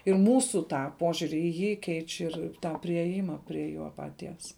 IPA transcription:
ɪr ˈmuːsuː ˈtɑː ˈpoːʒʲʊrʲɪ iː ˈjiː ˈkʲɛɪt͡ʃʲ ɪr ˈtɑː pʲrʲɪeːˈjɪmɐ pʲrʲiɛ ˈjoː pɐˈtʲiɛs

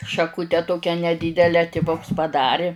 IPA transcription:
ʃɐˈkʊtʲɛ ˈtoːkʲɛ nʲɛˈdʲiːdʲɛlʲɛ tʲɪˈʋʊks pɐˈdɑːrʲɪ

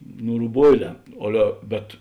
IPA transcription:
ˈnʊ rʊˈboːɪˌlʲɛː ˈɑːlʲɛ bʲɛt

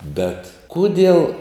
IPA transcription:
bʲɛt ˈkʊdʲiɛlˠ

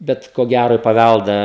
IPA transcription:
ˈbʲɛt koː ˈɡʲæroː ɪ pɐˈʋʲælˠdɑː

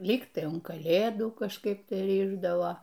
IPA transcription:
ˈlʲiːk tɐɪ ʊn kɐˈlʲeːduː kɐʃˈkɐɪp ˈtɐɪ ˈrʲɪʒdɐʋoː

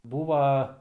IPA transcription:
ˈbuːʋɐ

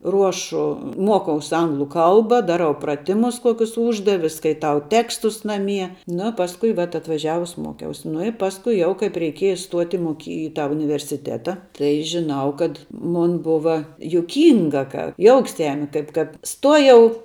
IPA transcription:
ˈruɔʃʊ ˈmuɔkɐʊs ˈɐŋɡlˠʊ ˈkɐlˠbɐ ˈdɑːˌrɐʊ prɐˈtʲɪmʊs ˈkuɔkʲʊs ˈuːʒdɐʋʲɪ skɐɪˈtɐʊ ˈtʲæːkstʊs nɐˈmʲiɛ nʊ ˈpɑːskʊ ʋɐt ɐtʋɐˈʒʲæːʋʊs ˈmuɔkʲɛʊs nʊ ɪ ˈpɑːskʊɪ ˈjɛʊ kɐɪp rʲɛɪˈkʲiɛjɛ stuɔtʲ ɪ moːˈkʲiː ɪ ˈtɑː ʊnʲɪʋʲɛrʲsʲɪˈtʲæːtɐ ˈtɐɪ ʒʲɪˈnɐʊ kɐt ˈmʊn ˈbʊʋɐ jʊˈkʲiːŋɡɐ kɐ ˈjoːʊks ˈjæːmʲɪ ˈkɐɪp kɐt ˈstuɔjɛʊ

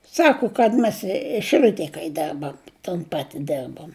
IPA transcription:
ˈsɑːkʊ kɐt mʲɛs ɪ ʃʲɪˈlʲʊtʲeːj kɐɪ ˈdʲɛrbɐm toːn ˈpɑːtʲɪ ˈdʲɛrboːm

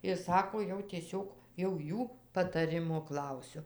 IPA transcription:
ɪr ˈsɑːkoː jɛʊ tʲiɛˈsʲoːk jɛʊ ˈjuː pɐtɐˈrʲɪmoː ˈklˠɐʊsʲʊ

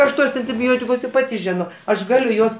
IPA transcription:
ˈɐʃ ˈtuɔs ɐnʲtʲɪˈbʲoːtʲɪkʊs ɪr ˈpɑːtʲɪ ˈʒʲɪnoː ɐʃ ˈɡɑːlʲʊ ˈjuɔs

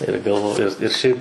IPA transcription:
ɪr ɡɐlˠˈʋoːjʊ ɪr ˈʃʲɛɪp

